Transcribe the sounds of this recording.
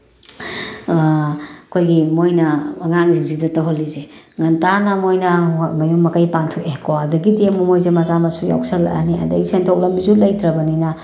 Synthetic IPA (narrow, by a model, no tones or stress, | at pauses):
ɐkʰojɡimojnɐːŋaŋziŋzidɐtɐwɦolːizeŋɐntanɐmojnɐmɐjumːɐkajpantʰɔkekoɐdɐɡidiemumojzemɐzamɐsuja̰wksɐla̰a̰niɐ̰dɐ̰ɡisentʰok̚lɐmbizulɐjdɾɐbɐninɐ